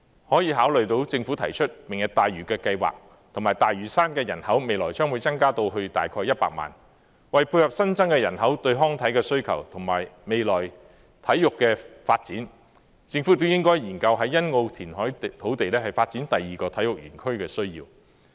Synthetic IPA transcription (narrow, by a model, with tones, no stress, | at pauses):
hɔː˨˥jiː˧ɦaː˨˥wlɵ˨ɥt̪o˧˥wt͡sɪ˧ŋfuː˨˥t̪ʰɐ˨˩jt͡ʃʰɵ˥t̚mɪ˨˩ŋjɐ˨˩t̚t̪aː˨jɥyː˨˩kɛː˧kɐ˧jwa̰ː˨k̚ | t̪ʰŋmaː˨˩jt̪aː˨jɥyː˨˩saː˥nkɛː˧jɐ̰˨˩nhɐ˨˥wme˨jlɔː˨˩jt͡ʃœː˥ŋwuː˨˧jt͡sɐ˥ŋkaː˥t̪o˧wɦɵ˧t̪a̰ː˨jkʰɔː˧jːɐ˥t̚pa̰ː˧k̚ma̰ː˨˩n | wɐ˨jpʰuː˧jhɐ˨p̚sɐ˥nt͡sɐ˥ŋkɛː˧jɐ˨˩nɦɐ˨˥wt̪ɵ˧ɥɦɔː˥ŋt̪ʰɐ˨˥jkɛː˧sɵ˥ɥkʰɐ̰˨˩wt̪ʰʊ˨˩ŋmaː˨˩jme˨jlɔː˨˩j | t̪ʰɐ˨˥jːʊ˨kːɛː˧faː˧t̚t͡siː˨˥n | t͡sɪ˧ŋfu˨˥t̪̬ʊ˥jɪ˥ŋkɔː˥jjiː˨˩nkɐ˧wɦɐ˨˥jːɐ˥nŋo˧wt̪ʰiː˨˩nɦɔː˨˥jt̪ʰo˨˥wt̪e˨jlɛː˥hɐ˨˩jfaː˧t̚t͡siː˨˥nt̪ɐ˨jːiː˨kɔː˧t̪ʰɐ˨˥jʊ˨k̚jɥyː˨˩nkʰɵ˥ɥkɛː˧sɵ˥ɥjiː˧w